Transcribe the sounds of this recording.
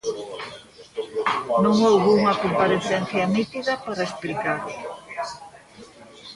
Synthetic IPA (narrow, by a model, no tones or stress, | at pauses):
nõŋowɣuuŋɐkompaɾeθɛn̟θjɐnit̪iðɐpaɾɐesplikaɾ